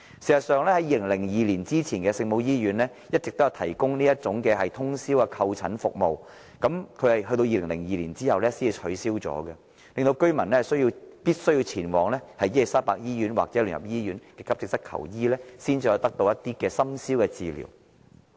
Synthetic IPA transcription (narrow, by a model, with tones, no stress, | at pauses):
siː˨˩sɐ˨tsœː˨˧ŋlɛː˥hɐ˨˥jiː˨˧lɪ˨˩ŋlɪ˨˩ŋjiː˨˧liː˨˩nt͡siː˥t͡sʰiː˨˩nkɛː˧sɪ˧ŋmo˨˧wjiː˥jyː˨˧˥nlɛː˥ | jɐ˥t̚t͡sɪ˨k̚t̪o˥jɐ˨˧wt̪ʰɐ˨˩jkʊ˥ŋniː˥jɐ˥t͡sʊ˨˥ŋkɛː˧ɦɐ˨jt̪ʰʊ˥ŋsiː˥wkɛ˧kʰɐ˧wt͡sʰɐ˨˥nfʊ˨k̚mo˨w | kɐ˨˥mkʰɵ˨˧ɥhɐ˨jɦɵ˧jt̪o˧wjiː˧lɪ˨˩ŋlɪ˨˩ŋjiː˨liː˨˩nt͡siː˥hɐ˨wlɛː˥siː˥nːi˧t͡ʃʰɵ˨˥siː˥wt͡sɔ̰ː˨˥ɡɛ˧ | lɪ˨ŋt̪o˧wkɵ˥ɥmɐ˨˩nlɛː˥ɐ˨˩sɵ˥jiː˧wpiː˥t̚sɵ˥ɥji˧wt͡sʰiː˨˩nwɔː˨˩ŋlɛː˥hɐ˨jiː˥e˨˩saː˥paː˧k̚jiː˥ɥyː˨˥nwa̰ː˨k̚t͡sɛː˨˥ly̰ː˨˩njɐ̰˨˩p̚jiː˥jyː˨˥nkɛː˧kʰɐ˥p̚t͡sɪ˨k̚sɐ˥t̚kʰɐ̰˨˩wjiː˥lɛː˥siː˥nt͡siː˧jɔ˧wt̪ɐ˥k̚t̪o˧wjɐ˥t̚t̪iː˥kɛː˧sɐ˥msiː˥wkɛ˧t͡siː˨lḭ˨˩w